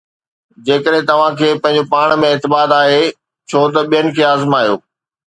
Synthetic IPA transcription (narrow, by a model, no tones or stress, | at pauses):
d͡ʑeːkəɗɦẽt̪ɐʋ̤ãkʰeːpɐ̃ɦɪ̃ɲ̆d͡ʑopaːɽ̃mẽɪːt̪ɪbaːt̪aːɦe | t͡ɕʰoːt̪ɐɓijənɪ̆kʰeːaːzɪmaːɦijo̰ː